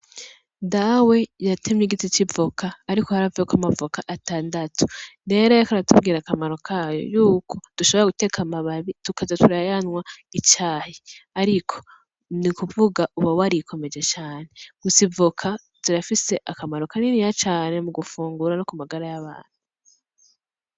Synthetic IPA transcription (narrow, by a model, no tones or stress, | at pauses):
dawejatʰemɲiɡit͡ʃit͡ʃibvokaːɾikohaɾavejokamavukaʔataːndatʰu̥ɾe̞ɾojakaɾatub̚ɡiːɾakamaɾokʰajo̞̰juːkʰo̞d̥uʃo̞βo̞ɾaɡute̞kʰamaβaβitukazatuɾajanwait͡ʃaːheaɾikʰo̞̥ | nikuvuɡauβawaɾikʰo̞me̞d͡ʒe̞t͡ʃaːne̞ɡ̥usivukʰa | z̥iɾafise̞ʔakamaɾokaninijat͡ʃaːne̞muɡufuːŋɡuɾanokumaɡaɾajaβa̰ːn̥hu